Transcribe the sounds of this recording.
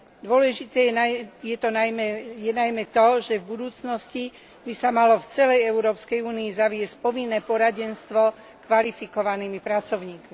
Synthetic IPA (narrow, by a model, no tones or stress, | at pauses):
d̪ʊɔlɛʒit̪ɛːjɛt̪ɔnajmɛjɛnajmɛt̪ɔʒɛvbud̪uːt͡snɔsci | bisamalɔft͡sɛlɛjɛuɾɔːpskɛjuːniizaʋɪɛsc̚pɔʋinːɛːpɔɾaɟɛnst̪ʋɔ | kʋalifikɔʋaniːmipɾat͡sɔʊɲiːkmi